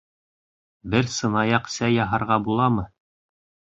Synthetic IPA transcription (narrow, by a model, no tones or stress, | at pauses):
bɘɾsɤ̆nɑjɑqsæjɑɦɑɾʁɑbulˠɑmɤ